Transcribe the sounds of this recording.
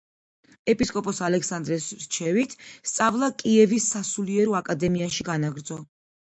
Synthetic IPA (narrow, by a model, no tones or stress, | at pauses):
ɛpʼiskʼɔpʼɔsalɛkʰsand̪ɾɛsɾt͡ʃʰɛvit̪ʰst̪sʼavlˠakʼiɛvisːasuliɛɾɔakʼad̪ɛmiaʃiɡanaɡɾd̪zɔ